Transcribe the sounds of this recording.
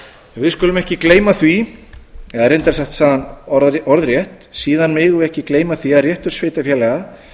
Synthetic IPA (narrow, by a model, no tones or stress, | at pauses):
vɪðskʏːlʏmɛhcɪkleːjmaθvi | ɛðaɾejnt̪ɛɾ̥saht̪saːðanɔɾðɾjɛht̪siːðanmɪːɣʏɛhcɪkleːjmaθviaðrjɛht̪ʏɾ̥sveːt̪afjɛːlɛɣa